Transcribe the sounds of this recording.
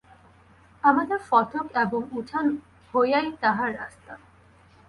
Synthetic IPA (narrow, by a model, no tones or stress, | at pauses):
amad̪eɾfɔt̪ʰokeboŋuʈʰan | hojajt̪aɦaɾːa̰st̪a